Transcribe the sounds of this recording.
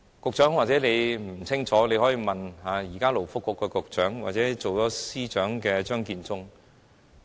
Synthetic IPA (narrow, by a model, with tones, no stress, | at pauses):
kʊ˨˧k̚t͡ʃœː˨˥ŋwaː˨t̚t͡sɛː˨˥ne˨˧jm̩˨˩t͡sʰɪ˥ŋt͡ʃʰɔː˨˥ne˨˧jhɔ˨˥jiː˧mɐ˨nhaː˨˧jiː˨˩kaː˥lo˨˩wfʊ˥kːɔː˧kːɔː˧kʊ˨˧k̚t͡ʃœː˨˥ŋwa̰ː˨t̚t͡sɛː˨˥t͡so˨wt͡sɔː˨˥siː˥t͡ʃœː˨˥ŋkɛː˧t͡ʃœː˥ŋkiː˧nt͡sʊ˥ŋ